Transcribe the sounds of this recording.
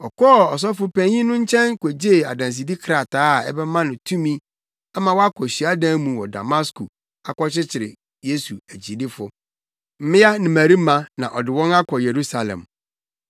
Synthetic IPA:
ɔ˨kʰɔː˦˨ɔ˨s̬ɔ˦fʊ˦pɛ̃˨ɲĩ˦nʊ̃˦ɲ̩˦t͡ɕʰɛ̃˦nkʰe˨d͡ʑe˦˨a˨dã˨ns̬i˨di˦kʰɾa˨taː˦˨ɛ̰˦bɛ˦mã˦nʊ̃˨tʰũ˦mĩ˦ | a˦mã˨wa˦kʰɔ˨ɕi˨a˦dãː˦mũ˨wɔ˨da̰˨ma˦sku˨ | a˨kɔ˦t͡ɕɪ˦t͡ɕʰɪ˨ɾɪ̰˨ | je˦su˨æ˨d͡ʑi˨di˦fʊ˦ | m̩˦mɪ̃˦a˦nɪ̃˨mæ˨ɾi˦mã˨nã˨ʔɔ˨dɪ˨wɔ̃˦na˦kʰɔ˨je˨ɾu˦sa˨lɛ̰̃˨m

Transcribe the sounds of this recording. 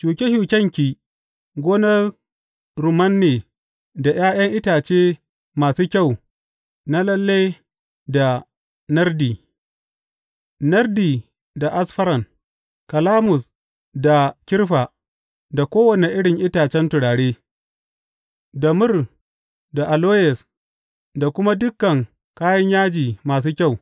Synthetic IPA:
t͡ʃuː˨kʲe˦hu˨kʲɐ˦ŋkʲi˨ | ɡʷoː˦nɐ˦r | ɾu˨mɐ˦nːeː˨ | da˨j̰aː˦j̰ɐ˦ŋʔɪ˦taː˨t͡ʃeː˦ | maː˨suː˦kʲɐ˦˨w | na˦lɐ˦lːe˦j | da˨ | nɐ˦rdiː˨ | nɐ˦rdiː˨ | da˨ʔa˦sɸɐ˦ɾɐ˨ŋ | kɐ˨laː˦mʊ˨s | da˨kʲɪ˦rɸa˨ | da˨kʷoː˦wɐ˨ne˨ʔɪ˦ɽɪ˨ŋʔɪ˦taː˨t͡ʃɛ˦ntʊ˨ɽaː˨ɽeː˦ | dɐ˨mʊ˦˨r | da˨ʔa˨loː˦jɛ˨s | da˨kʷʊ˦ma˦dʊ˦kːɐ˨ŋ | kaː˦jɐ˦ɲjaː˦d͡ʒiː˨maː˨s̬uː˦kʲa˦˨w

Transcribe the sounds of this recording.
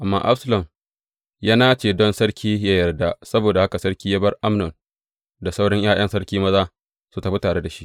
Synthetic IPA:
ʔa˨mːa̰ː˦ʔa˦sɐ˦lɔ˨m | jaː˦naː˦t͡ʃeː˨dɔ˦nsɐ˦ɽkʲʰiː˦ja˦jɐ˨rda˦˨sɐ˦boː˨da˨ha˦ka˨sɐ˦ɽkʲiː˦jaː˦bɐ˦rʔa˦mnɔ˨n | da˨sa˦wɽɪ˦ɲj̰ʔaː˦˨j̰ɐ˦nsɐ˦ɽkʲiː˦mɐ˦zaː˦ | su˦tɐ˨ɸi˦taː˨ɽe˦da˨ʃi˦ʔ

